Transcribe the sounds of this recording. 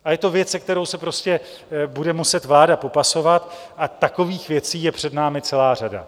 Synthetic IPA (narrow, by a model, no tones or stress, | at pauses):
ʔajɛt̪o̞vjɛt͡sɛk̚t̪ɛɾo̞wsɛpɾo̞scɛ | budɛmusɛt̪vlaːdapo̞paso̞vat̪ʔat̪ako̞viːxvjɛt͡siːjɛpr̥ɛdnaːmɪt͡sɛlaːr̝ada̰